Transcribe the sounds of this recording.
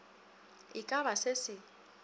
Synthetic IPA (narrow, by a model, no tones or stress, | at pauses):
ikʼaβasesɪ